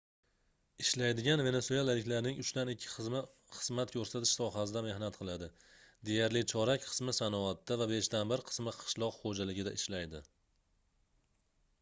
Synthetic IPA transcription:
ɪʃlajd̪ɪɡʲanve̞ne̞soalalɪkʲlaɾnɪŋʊt͡ʃt̪anɪkʲʰːɪ̥χɨzmɪ | χɨzmat̪kʲʰɵɾsat̪ʰɪ̥ʃsɒɦasɪd̪ame̞hnat̪qʰɨlˠad̪ɪ | d̪e̞jaɾlɪt͡ʃʰɒɾakʲqʰɨ̥smɪsanɒat̪ːavabe̞ʃt̪anbɪɾqʰɨ̥smɪqʰɨ̥ʃlˠɒqχod͡ʒalɪɡʲɪd̪aʔɪʃlajd̪ɪ

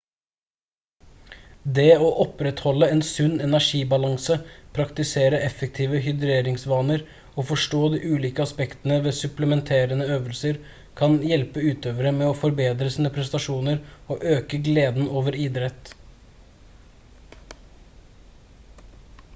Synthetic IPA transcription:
d̪eːoːʔɔpɾɛt̪hɔlːəɛnsʉnːɛnæʂiːbɑlɑŋsəpʰɾɑkt̪ɪseːɾəʔɛfɛk̚t̪ʰiːʋəɦʏd̪ɾeːɾɪŋsʋɑːnəɾ | ɔfɔʂʈoːd̪iːʔʉːliːkəɑspɛkt̪ənəʋeːsʉpləmɛnt̪ʰeːɾənəøːʋəlsəɾ | kʰɑnjɛlpəʉːt̪øːʋəɾəmɛɔfɔɾbeːd̪ɾəsiːnəpʰɾɛst̪ɑʂuːnəɾɔʔøːkəɡleːd̪n̩ʔoːʋəɾɪd̪ɾɛt̪ː

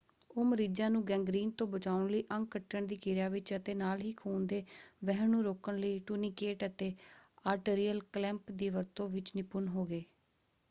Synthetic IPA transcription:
oːməɾiːd͡ʒãːnũːɡɛ̃ːŋɡɾiːnt̪õːbət͡ʃaːʋɳləiːʔə̃ŋɡkəʈːəɳd̪iːkɪɾjaːʋɪt͡ʃət̪eːnaːlɦiːkʰuːnd̪eːʋɛɦnũːɾoːkəɳləiːʈuːniːkeːʈət̪eːaːɾʈeːɾiːəlklɛ̃mpd̪iːʋəɾt̪õːʋɪt͡ʃnɪpʊnɦoːɡeː

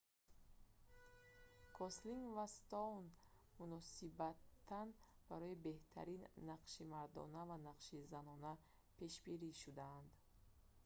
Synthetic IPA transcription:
kʰɔsliŋɡvast̪ɔn | munɔsibat̪ʰːanb̥aɾɔibe̞ht̪ʰa̰ɾinːaqʃimaɾd̪ɔ̰navanaqʃizanɔna | pʰe̞ʃbiɾiʃud̪aːnd̪

